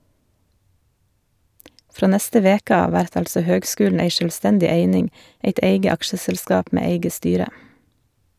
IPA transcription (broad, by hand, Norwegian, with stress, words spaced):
ˈfɾoː ˈnɛstə ˈʋeːkə ˈɑːʋ ˈʋæɾt ˈɑlsɔ ˈhøːɡˌskʉːln̩ ˈeɪ ʃœlˈstɛndɪ ˈeɪnɪŋ ˈeɪt ˈeɪɡə ˈɑkʃəsɛlˌskɑːp ˈmeː ˈeɪɡə ˈstyːɾə